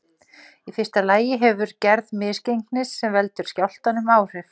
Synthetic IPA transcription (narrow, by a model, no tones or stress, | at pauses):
ifɪr̥t̪alaːjɪɦɛvʏɾcɛɾðmɪːscejŋknɪsːɛmvɛlt̪ʏɾ̥scawl̥t̪anʏmaːwr̥ɪf